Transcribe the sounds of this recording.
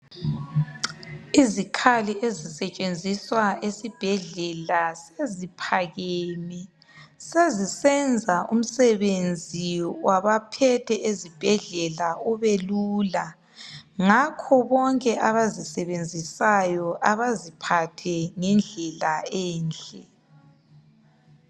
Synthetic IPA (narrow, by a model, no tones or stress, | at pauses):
izikʰaliʔezisɛt͡ʃʼend͡zʱiswaesib̥ʱɛɮɛlasezipʰaɣɛmɛ | sezisɛnd͡zʱaʔṵm̩sɛβend͡zʱiwaβapʰɛtʰɛʔezib̥ʱɛɮɛlauβeluːla | ŋakʰɔβɔŋkʼɛʔaβazisɛβend͡zʱisajɔʔaβazipʰatʰɛŋɛnd͡ɮʱɛlaɛːnt͡ɬʼɛ